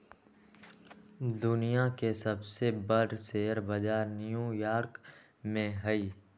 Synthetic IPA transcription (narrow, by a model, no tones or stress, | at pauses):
d̪ʊnijakesəbsebəɾseːəɾbəd͡ʒaːɾnijujaːɾk | mẽɦəiː